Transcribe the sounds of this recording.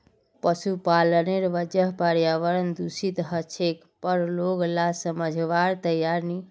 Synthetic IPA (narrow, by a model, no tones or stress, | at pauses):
pəsupaləneɾʋəd͡ʒəɦpaɾjaʋəɾənd̪usit̪ɦət͡ʃʰek | pəɾloɡlasəməd͡ʒʱʋaɾt̪əjaɾni